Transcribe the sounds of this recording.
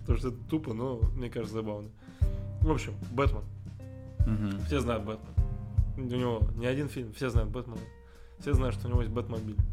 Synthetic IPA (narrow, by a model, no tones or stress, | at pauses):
t̪oʂt̪oɛt̪ət̪upənomnʲekaʐɨt̪səzɐbavnə | vo̞pɕːɪmbɛt̪mən | fsʲeznajʊt̪̚bɛt̪mən | ʊnʲɪvo̞nʲɪɐdʲinfʲilʲmfsʲe̞znajʊt̪̚bɛt̪mənə | fsʲezajʊtʂt̪oʊnɪvojest̚ʲbɛt̪mɐnbʲilʲ